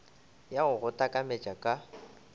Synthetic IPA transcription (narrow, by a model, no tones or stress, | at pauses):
jaɣʊɣʊtʼakʼamet͡ʃʼakʼa